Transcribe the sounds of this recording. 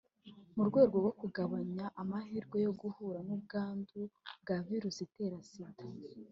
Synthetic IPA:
muɾɡwe̞ːɾɡo̞ɡo̞kuɡaβaɲaʔamahiɾɡwe̞jo̞ɡuhuːɾanub̚ɡaːnduɡaviɾusite̞ːɾasitḁ

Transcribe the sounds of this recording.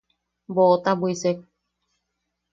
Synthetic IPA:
bot̪abwisek̚

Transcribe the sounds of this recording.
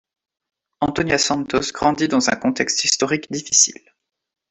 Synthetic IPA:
ɑ̃t̪ɔnjasɑ̃nt̪osɡʁɑ̃d̪id̪ɑ̃zɛ̰̃kɔ̃t̪ɛkst̪ist̪ɔʁikd̪ifi̥sḭl

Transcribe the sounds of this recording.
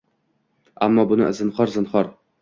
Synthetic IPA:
amːɒbʊnɪ̰zɨnχɒɾzɨnχɒɾ

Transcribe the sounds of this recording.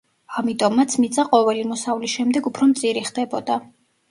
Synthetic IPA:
amit̪ʼɔmːat̪sʰmit̪sʼaqʼɔvɛlimɔsavlisʃɛmd̪ɛɡupʰɾɔmt̪sʼiɾiχd̪ɛbɔd̪a

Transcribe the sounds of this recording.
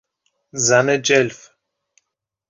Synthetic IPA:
zaned͡ʒɛlf

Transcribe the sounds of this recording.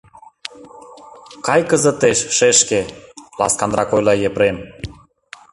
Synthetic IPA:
kɑjkəzət̪eʃʃeʃkelɑ̰skɑnrɑkojlɑjepɾen

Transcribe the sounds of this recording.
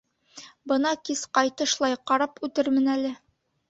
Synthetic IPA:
bɤ̆nɑkisqɑjt̪ɤ̆ʃlˠɑjqɑɾɑpʉt̪ɘɾmɘ̆nælɘ

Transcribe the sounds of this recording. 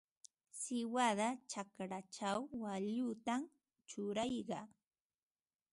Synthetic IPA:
sɪwad̪at͡ʃakɾat͡ʃawːaʎʊt̪am | t͡ʃʊɾɑjɢɑ

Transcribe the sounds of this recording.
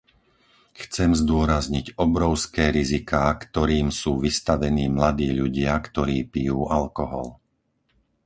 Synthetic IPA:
xt͡sɛmzd̪ʊɔɾazɲiɟɔbɾɔʊskɛːɾizikaːkt̪ɔɾiːmsuːʋist̪aʋɛniːmlad̪iːʎuɟɪakt̪ɔɾiːpijuːʔalkɔɦɔ̰l

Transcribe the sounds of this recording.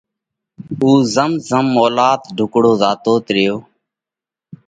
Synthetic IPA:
uːzəmzəmːoːlaːt̪ɖʱʊkɽoːzaːt̪oːt̪ɾɪjoː

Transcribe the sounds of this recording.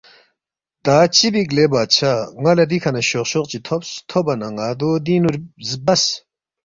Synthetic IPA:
t̪aːt͡ɕibiɡlebaːt͡ɕʰaŋɐlɐɾikʰɐnɐɕoqɕoq̚t͡ɕit̪ʰopst̪ʰobɐnɐŋad̪od̪inuɾzbɐs

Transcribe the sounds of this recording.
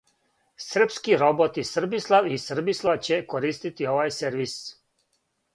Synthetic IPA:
sr̩pskiɾo̞bot̪isr̩bislˠaʋisr̩bislˠat͡ɕekoɾiːst̪it̪io̞ʋajseɾʋis

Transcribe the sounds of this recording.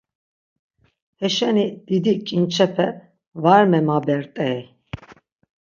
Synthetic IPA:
hɛʃɛnid̪̥id̪ikʼint͡ʃʰɛpʰɛ | vaɾmɛmabɛɾt̪ʼɛj

